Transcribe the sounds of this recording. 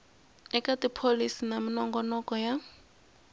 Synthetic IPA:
ɛkʼatʼipʰolisinaminɔŋɡɔnɔkʼɔja

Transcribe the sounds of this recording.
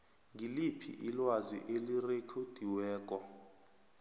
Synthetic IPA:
ŋɡilipʰḭʔilwazḭʔelirekʰod̥ʱiwɛːk̬ʼɔ

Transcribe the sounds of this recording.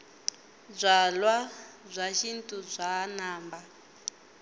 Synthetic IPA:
b͡ʐʷalwab͡ʐʷaʃintʼud͡zʷaːnaːmba

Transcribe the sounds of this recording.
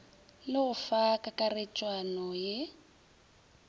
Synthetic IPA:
lɪɣʊfakʼakʼaret͡ʃʼwanɔjɛ

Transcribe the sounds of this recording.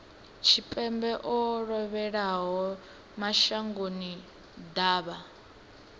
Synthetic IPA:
t͡ʃʰipʼɛmbɛʔɔɺɔβɛɺaɦɔ | maʃaŋɡoni | d̪aːβa

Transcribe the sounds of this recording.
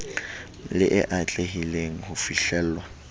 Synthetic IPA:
lɪʔɪʔat͡ɬʼeɦileŋ̩hʊfiɬɛːl̩ːlwa

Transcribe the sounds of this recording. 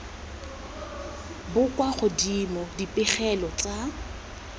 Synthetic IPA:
bʊkʼwaχʊdimɔdipʼɪχɛlɔt͡sʼa

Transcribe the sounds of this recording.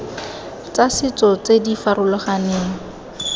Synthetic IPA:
t͡sasɪt͡sɔt͡sedifaɾʊlɔχaneːŋ̩

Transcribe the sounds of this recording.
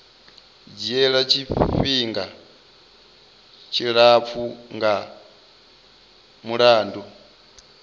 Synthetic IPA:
d͡ʒiɛɺat͡ʃʰiɸiŋɡa | t͡ʃʰiɺap̪fʰuŋɡa | muɺaːndɔ

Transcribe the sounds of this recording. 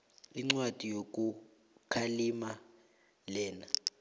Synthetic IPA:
iŋ͡ǀwad̥ʱijok̬ʼu | kʰalima | lɛːna

